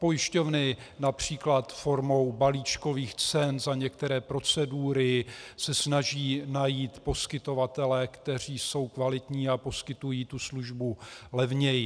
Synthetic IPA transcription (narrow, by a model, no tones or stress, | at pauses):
po̞jɪʃco̞vnɪnapr̝̥iːklat̪fo̞ɾmo̞wbaliːt͡ʃko̞viːxt͡sɛnzaɲɛkt̪ɛɾɛːpɾo̞t͡sɛduːɾɪsɛsnaʒiːnajiːt̪po̞skɪt̪o̞vat̪ɛlɛːkt̪ɛr̝iːso̞wkvalɪt̪ɲiːapo̞skɪt̪ujiːt̪usluʒbulɛvɲɛjɪ